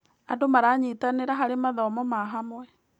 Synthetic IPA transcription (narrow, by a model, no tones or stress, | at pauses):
a̰domaɾaːɲitaneɾaɦaɾemaðɔmɔmaɦamwɛ